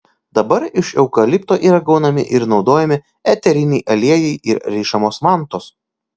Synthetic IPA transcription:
d̪ɐbɐɾɪʃɛʊkɐlʲɪpt̪oːʔiːɾɐɡɐʊnɐmʲɪ̰ʔɪɾnɒʊd̪oːjɛmʲɪ | ɛt̪ʲɛɾʲɪnʲɛɪʔɐlʲiɛjɛɪʔɪɾɾʲɛːʃɐmoːsmɑˑnt̪oːs

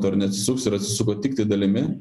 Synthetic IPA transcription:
t̪oɐɾnʲɛɐt̪sʲɪ̥sʊksɪɾɐt̪ʲsʲɪsʊk̬oːt̪ʲɪk̚t̪ɐɪd̪ɐlʲɪmʲɪ

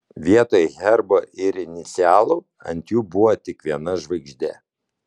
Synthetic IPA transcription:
ʋʲiɛt̪oːjɛɣʲɛɾboːʔɪɾɪnʲɪt̪sʲɪæːlˠoː | ɐ̰nʲt̪ʲjuːbʊʋot̪ʲɪkʋʲiɛnɐʒʋɐɪɡʒʲd̪ʲɛ

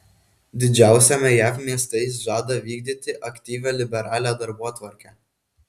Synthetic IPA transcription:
d̪ʲɪd͡ʒʲæˑʊsʲɛmʲɛjæːfmʲiɛst̪ɐɪs̬ʒɑːd̪ɐʋʲiːɡd̪ʲit̪ʲɪʔɐkʲt̪ʲiːʋʲæːlʲɪbʲɛɾɑːlʲæːd̪ɐɾbuɔt̪ʋɐɾʲkʲæː

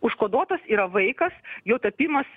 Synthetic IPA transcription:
ʊʃkoːd̪uɔt̪ɐsiːɾɐʋɐɪkɐsjɛʊt̪ɐpʲiːmɐs

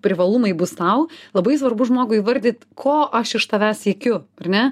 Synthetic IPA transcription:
pʲɾʲɪʋɐlˠumɐɪbʊst̪ɐʊlˠɐbɐɪs̬ʋɐrbʊʒmoːɡʊɪiʋɐɾʲd̪ʲɪt̪kʰoːʔɐʃɪʃt̪ɐʋʲæːsʲiɛkʲʊɐrnʲɛ

